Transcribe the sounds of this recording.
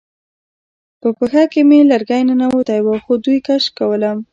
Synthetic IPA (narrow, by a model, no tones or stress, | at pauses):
pəpəxakemelaɾɡajnanawot̪ajwaxod̪ujkaʃkawəlam